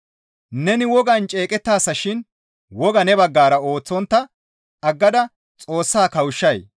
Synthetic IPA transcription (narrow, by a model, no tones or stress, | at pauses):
nɛnɪwɔɡɐnt͡ʃʼeːkʼɛt̪ːaːsːɐʃɪn | wɔɡɐnɛbɐɡːaːɾɐoːt͡sːɔnt̪ːɐ | ɐɡːɐd̪ɐ | t͡sʼo̞ːsːaːkɐwʊʃːɐj